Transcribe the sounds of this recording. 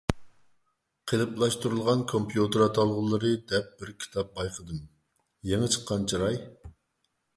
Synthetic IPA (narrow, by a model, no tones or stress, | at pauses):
qʰelˠɨplˠɑʃt̪uɾulˠʁɑnkʰompjut̪ɨɾɑt̪ʰɑlˠʁʊlˠɨɾɨd̪ɛp̚bɪɾkʲʰi̥t̪ʰɑp̚bɑjqʰəd̪ɨm | jeŋət͡ʃʰə̥qːɑnt͡ʃʰiɾɑj